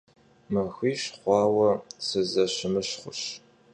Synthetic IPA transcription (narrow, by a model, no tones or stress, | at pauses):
mɐxʷiːɕχʷɑːwɐsɨzɐɕɪmɨɕχʷʊɕ